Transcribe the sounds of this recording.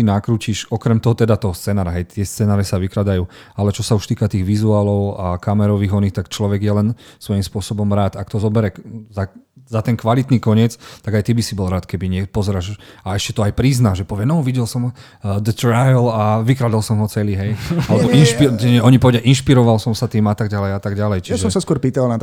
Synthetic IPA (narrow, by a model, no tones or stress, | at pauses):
tinakɾuːciʃɔkɾɛmt̪ɔɦɔt̪ɛd̪at̪ɔɦɔst͡sɛːnaːɾaɦɛjt̪ɪɛst͡sɛnaːɾɛsaʋikɾad̪ajuː | alɛt͡ʃɔsauʃt̪iːkat̪iːɣʋizuaːlɔʊakamɛɾɔʋiːɣɔnixt̪akt͡ʃlɔʋɛɡjɛlɛnsʋɔjimspʊɔsɔbɔmɾaːt̪akt̪ɔzɔbɛɾɛzazat̪ɛnkʋalit̪nikɔɲɪɛt͡st̪aɡajt̪ibisibɔlɾaːt̪kɛbiɲɪɛpɔzɛɾaʃaɛscɛt̪ɔajpɾiznaʒʒɛpɔʋɪɛnɔʋiɟɛlsɔm | d̪ɛt̪ɾajlaʋikɾad̪alsɔmɦɔt͡sɛliɦɛjalɛbɔʔinʃpiɛʔɔɲipɔʋɛdɪaʔinʃpiɾɔʋalsɔmsat̪iːmat̪aɡɟalɛjat̪aɡɟalɛjt͡ʃijaʒɛɔmsaskʊɔɾpiːt̪alnat̪